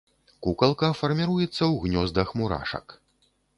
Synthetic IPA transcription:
kukɐlˠkɐfɐrmʲiɾujɛt̪sːɐwɣnʲɔzd̪ɐxmuɾa̰ʂɐ̰k

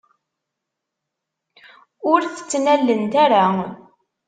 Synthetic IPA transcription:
ʊɾθə̥t͡sːnælːənt̪aɾa

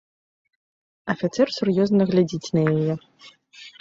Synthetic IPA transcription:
ɐfʲit̪sɛrsurjɔznɐɣlʲad͡zʲit͡sʲnɐjajɛ

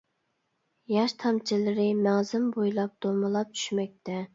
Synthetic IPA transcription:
jɑʃt̪ʰɑmt͡ʃʰilɨɾɪmæŋzɪmbojlˠɑp̚d̪̥omɨlˠɑp̚t͡ʃʰy̥ʃmɛk̚ʲt̪ʰɛ

